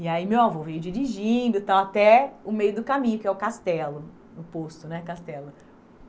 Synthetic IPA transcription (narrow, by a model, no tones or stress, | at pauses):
iaimewavowvejd͡ʒiɾiʒĩd̪ʊt̪awat̪ɛʊmejʊd̪ʊkamĩɲʊkɪɛʊkast̪ɛlʊ | nʊpost̪ʊnɛkast̪ɛlʊ